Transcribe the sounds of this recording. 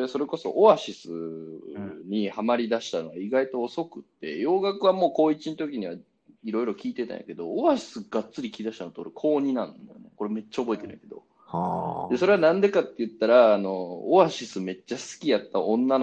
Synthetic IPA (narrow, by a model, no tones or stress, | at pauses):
eso̞ɾe̞ko̞so̞̰ʔoβaɕisɨ | ɲ̟ihamaɾʲid̪aɕi̥t̪ano̞ɡaiɡait̪o̞ːso̞kɯ̟t̪ːe̞̰jo̞ːɡakɯ̟βamo̞ːko̞ːit͡ɕint̪o̞k̬ʲiɲ̟iβa | iɾo̞iɾo̞kʲiːt̪e̞t̪ã̰ja̰ke̞d̪o̞̰ːβaɕi̥sɨɡ̥att͡sɨɾʲikʲiid̪aɕi̥t̪anot̪ooɾkʰo̞ːɲ̟inã̰nd̪a̰jo̰ne̞ko̞ɾeme̞t͡ɕːaobo̞et̪e̞n̰ja̰ked̪o̞̰ | d̪e̞so̞ɾe̞βanãnd̪e̞kat̪ːe̞jɯ̟t̪ːaɾaːno̞ːβaɕisɨme̞t͡ɕːasɨ̥kʲijat̪ːaʔõ̞nːan